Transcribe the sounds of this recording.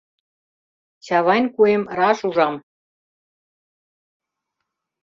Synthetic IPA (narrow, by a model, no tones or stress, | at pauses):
t͡ɕɑβɑnʲkuemrɑʃuʒɑm